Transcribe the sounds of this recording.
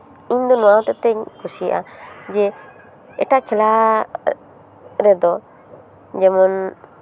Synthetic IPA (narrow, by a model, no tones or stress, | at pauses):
ĩɲd̪ɔnɔwaw̃t̪ɛt̪ɛɲkʰusijʔad͡ʒɛ | ɛʈaʔkʰɛla | ɾɛd̪ɔ | d͡ʒɛmɔn